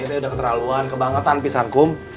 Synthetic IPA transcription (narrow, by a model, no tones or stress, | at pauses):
nat̪iudahkət̪əɾaluankəbaŋət̪anpisaŋkʊm